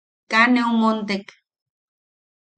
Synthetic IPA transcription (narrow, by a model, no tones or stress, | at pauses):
kaneomont̪ek